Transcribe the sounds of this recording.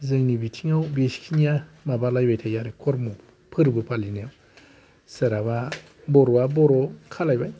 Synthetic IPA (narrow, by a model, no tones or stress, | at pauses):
zɯŋnibitʰiŋawbeskʰinijamabalajbajtʰajaɾɯkʰɔɾmu | pʰɯɾbɯpʰalinjaw | sɯɾaβa | bɔɾɔabɔɾɔkʰalajbaj